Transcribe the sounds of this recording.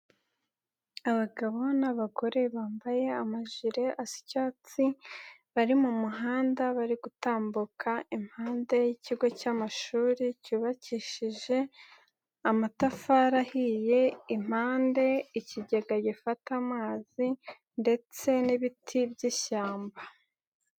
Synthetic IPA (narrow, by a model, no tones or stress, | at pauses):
aβaɡaβo̞naβaɡo̞ɾe̞βaːmbaje̞amaʒiɾe̞ʔasi̥caːt͡siβaɾimumuɦaːndaβaɾiɡutaːmbukʰaim̥haːnde̞jiciɡo̞camaʃuːɾicuβaciʃiʒe̞ | amatafaɾahije̞im̥haːnde̞iciɟeɡaɟifatamaːz̥i | nde̞t͡se̞niβitʰibɟiʃaːmba